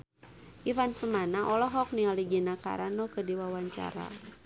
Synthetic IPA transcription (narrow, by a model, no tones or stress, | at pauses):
ʔifanpəmanaʔɔlɔɦɔk̚nialiɡinaka̰ɾanɔkədiwawaɲt͡ʃa̰ɾa̰